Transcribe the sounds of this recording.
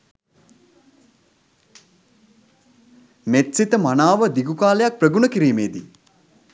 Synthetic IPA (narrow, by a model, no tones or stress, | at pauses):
met̪sit̪əmanaːʋəd̪iɡukaːlejak̚prəɡunəkiɾiːmeːd̪i